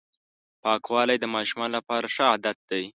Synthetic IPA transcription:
pɑkwɑlajd̪əmɑʃumɑnlapɑɾaʂəɑd̪at̪̚d̪aj

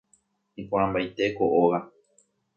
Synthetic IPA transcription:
ikʷaɾ̃ãmbajt̪e̞ko̞ʔoʋa

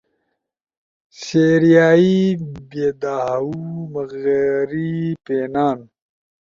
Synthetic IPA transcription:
seːɾijaːibeːd̪aːɦumɐɣɾipeːnaːn

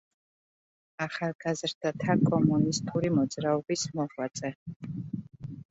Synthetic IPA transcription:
aχalˠɡazɾd̪̥at̪ʰakʼɔmunist̪ʼuɾimɔd̪zɾaɔbismɔʁwat̪sʼɛ

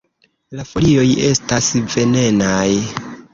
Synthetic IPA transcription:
lafo̞lio̞je̞stasve̞ne̞naj

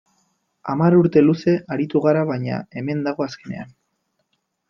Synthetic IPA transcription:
amaɾuɾt̪e̞luse̞ʔaɾit̪uɣaɾaβajɲa̰e̞me̞nd̪aɣo̞aske̞ne̞̰an

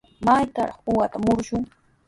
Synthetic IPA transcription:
majt̪aɾɑχʊwat̪amʊɾʃʊŋ

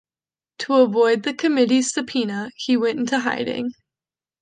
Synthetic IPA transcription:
tʰəəvɔɪd̪̚ðəkʰəmɪɾisəpʰĩnəhiwɛ̃ntɪ̃ntəɦa̰ɪɾɪ̰̃ŋ

